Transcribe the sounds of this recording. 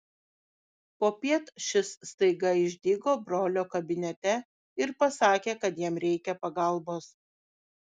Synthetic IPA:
poːpʲiɛt̪ʃʲɪsːt̪ɐɪɡɐɪʒʲd̪ʲiːɡoːbɾoːlʲoːkɐbʲɪnʲɛt̪ʲɛ | ɪɾpɐsɑːkʲeːkɐt̪jiɛmɾʲɛɪkʲɛpɐɡɐlˠboːs

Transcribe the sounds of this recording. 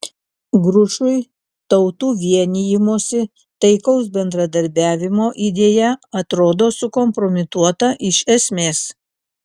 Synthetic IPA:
ɡɾʊʃʊɪ | t̪ɐʊt̪uːʋʲiɛnʲijɪmuɔsʲɪ | t̪ɐɪkɐʊsbʲɛnd̪ɾɐd̪ɐɾʲbʲæːʋʲɪmoːʔid̪ʲeːjɛɐt̪ɾoːd̪oːsʊkɔmpɾɔmʲɪt̪uɔt̪ɐʔɪʃɛsʲmʲeːs

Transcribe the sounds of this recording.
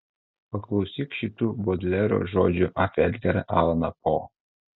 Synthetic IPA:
pɐklˠɒʊsʲiːkʃʲit̪uːboːd̪ʲlʲɛɾo̰ʒo̰ːd͡ʒʲʊʔɐfʲɛd̪ʲɡʲɛɾɐʔɑːlˠnɐpo

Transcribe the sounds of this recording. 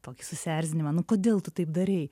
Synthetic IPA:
t̪oːkʲɪsʊsʲæɾʲzʲɪnʲɪmɐnʊkoːd̪ʲeːlˠt̪ʊt̪ɐɪp̚d̪ɐɾʲɛɪ

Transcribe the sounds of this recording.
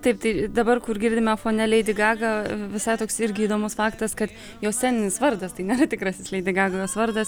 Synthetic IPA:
t̪ɐɪp̚t̪ɐɪd̪ɐbɐrkʊrɡʲɪːrʲd̪ʲɪmʲɛfoːnʲɛlʲɛɪd̪ʲɪɡɑːɡɐʋʲɪsɐɪt̪oːksɪɾʲɡʲɪiːd̪oːmʊsfɑːkt̪ɐskɐt̪ | joːssʲæːnʲɪnʲɪsʋɐrd̪ɐst̪ɐɪnʲeːrɐt̪ʲɪkɾɐsʲɪslʲɛɪd̪ʲɪɡɑːɡɐjoːsʋɐɾd̪ɐs

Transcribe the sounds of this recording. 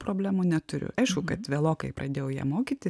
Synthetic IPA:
pɾoːbʲlʲæːmuːnʲɛt̪ʊɾʲʊ̰ɐɪʃkʊkɐt̪ʋʲeːlˠoːkɐɪpɾɐd̪ʲeːjɛʊjiɛmoːkʲiːt̪ʲɪ

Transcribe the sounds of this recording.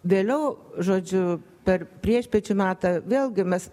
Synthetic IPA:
ʋʲeːlʲɛʊʒoːd͡ʒʲʊ | pʲɛrpʲɾʲiɛʃʲpʲɛt͡ʃʲʊmʲɑːt̪ɐʋʲeːlˠʲɡʲɪmʲɛs

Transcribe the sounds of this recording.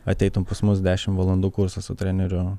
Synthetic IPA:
ɐt̪ʲɛɪt̪ʊmpɐsmʊs̬d̪ʲæːʃʲɪmʋɐlˠɐnd̪uːkʊɾsɐsʊt̪ʲɾʲɛnʲɛɾʲʊ

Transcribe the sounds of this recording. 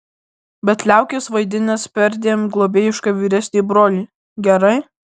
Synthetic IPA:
bʲɛt̪lʲæˑʊkʲeːsʋɐɪd̪ʲɪnʲɛspʲɛɾʲd̪ʲeːmɡlˠoːbʲeːjɪʃkɑːʋʲiːɾʲɛsʲnʲeːbɾoːlʲiː | ɡʲɛɾɐɪ

